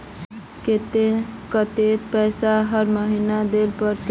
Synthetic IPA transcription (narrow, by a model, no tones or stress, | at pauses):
ket̪ekʌt̪et̪pəjsaɦʌɾməɦinad̪elpəɾt̪